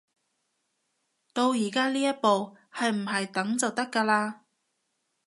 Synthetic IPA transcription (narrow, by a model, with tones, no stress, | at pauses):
t̪o˧wjiː˨˩kaː˥liː˥jɐ˥t̚po˨˧w | hɐ˨jm̩˨˩ɦɐ˨jt̪ɐ˨˥ŋt͡sɐ˨wt̪ɐ˥kːaː˧laː˧